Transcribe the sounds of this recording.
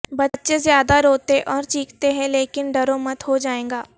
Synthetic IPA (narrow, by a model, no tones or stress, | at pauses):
bɐtːʃezjaːd̪aɾoːt̪eʔɔːɾt͡ʃiːkt̪eɦɛ̃leːkɪnɖɐɾõmɐt̪ɦod͡ʒaːẽːŋɡaː